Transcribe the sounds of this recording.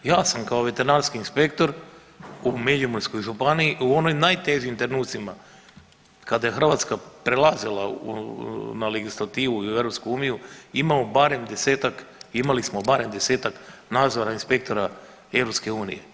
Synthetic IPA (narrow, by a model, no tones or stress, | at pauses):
jaːsamkaoʋe̞t̪eɾnanskiːnspe̞k̚t̪o̞ɾ | umeʎumonsko̞jʒupanijiʔuo̞nojmnajt̪e̞ʒiːmt̪ɾenuːt̪sima | kad̪ajexr̩ʋat̪skapɾelˠazilˠaṵnaleɡislˠat̪iːʋuiuevɾopskuuːnijuimaobaɾe̞md̪e̞seːt̪akimalismobaɾe̞md̪e̞se̞ːt̪aknaːd̪zoɾainspe̞k̚t̪o̞ɾa | e̞vɾopske̞uːnḭje̞̰